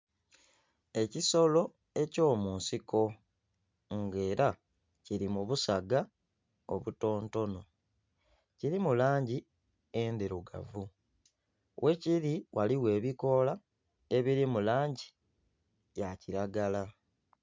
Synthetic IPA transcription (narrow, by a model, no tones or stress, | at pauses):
e̞ciso̞lo̞ | e̞co̞ːmuːnsiko̞ | ŋɡe̞ːɾa | ciɾimuβusaɡa | o̰βuto̞ːnto̞no̞ | ciɾimulaːɲɟi | endiɾuɡa̰vu | we̞ciɾiwʔaliwe̞ːβiko̞la | e̞βiɾimulaːɲɟi̥ | jaciɾaɡala